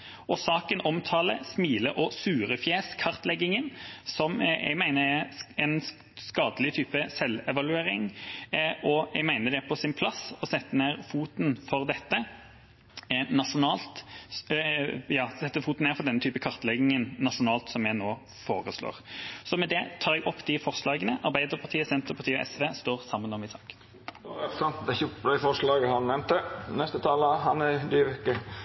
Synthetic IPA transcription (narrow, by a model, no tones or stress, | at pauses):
ɔsɑːkənɔmt̪ʰɑːlə̰smiːləʔɔsʉːɾəfjeːskʰɑʁt̪lɛɡːɪŋənsɔmɛ̰ɡmæɪnəɛɛn | skɑːd̪əlɪt̪ʰyːpəsɛlːɛʋɑlʉeːɾɪŋ | ʔɔɛ̰ɡmæɪnəd̪ɛpʰɔsɪnpʰlɑsɔsɛt̪ːəneːʁfuːt̪n̩fɔɾd̪ɛt̪ːə | nɑʂʊnɑːlt̪ | jɑːsɛt̪ːəfuːt̪n̩eːɾfɔdɛnːət̪yːpəkʰɑʁt̪əlɛɡɪŋənːɑʂʊnɑːlt̪sɔmjæɪnoː | foːɾəslo̰ːʁsɔmɛd̪ɛt̪ʰɑːɾɛɡɔpːd̪ɪfɔʁʂlɑːɡənəʔɑɾbæɪd̪əɾpʰɑʁt̪ʰiːəsɛnt̪əɾpʰɑʁt̪ʰiːəɔʔɛ̰sʋeːst̪oːʁsɑmːənɔmɪsɑ̰ːk̪ | sɑnt̪d̪ɛçpd̪æɪfɔʂlɑːɡəhɑnnɛmt̪ənɛst̪ət̪ʰɑːləɦɑnæd̪yʋɛkːə